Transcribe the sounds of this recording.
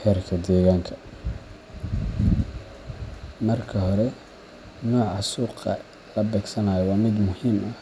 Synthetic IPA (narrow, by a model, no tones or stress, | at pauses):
hɛːrkʰɐd̪ɛːɣaːŋkʰɐ̥ | mɐrkʰɐɦɔɾɛ | nɔːʕɑsuːqɐ | lɐbɛːɡsɐnaːjɔwɑːmɪd̪mʊhiːmʔɐ